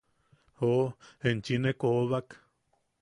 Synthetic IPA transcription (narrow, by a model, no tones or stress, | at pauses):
oent͡ʃinekoβak